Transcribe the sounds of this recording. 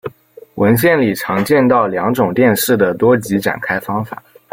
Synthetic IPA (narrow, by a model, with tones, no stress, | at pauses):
wʔə˧˥nɕjɛ˥˩nli˨˩ʈ͡ʂʰɑ˧˥ŋt͡ɕjɛ˥˧nt̪ɑ˥˩ʊljɑ˧˥ŋʈ͡ʂʊ˨˩ŋt̪jɛ˥˧nʂɻ̩˥˩d̪ə˩t̪wɔ˥t͡ɕi˧˥ʈ͡ʂa̰˨˩nkʰa˥ɪfɑ˥ŋfa̰˨˩˦